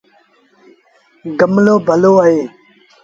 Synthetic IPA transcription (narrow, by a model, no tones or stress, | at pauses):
ɡəmloːbʱəloːaɦeː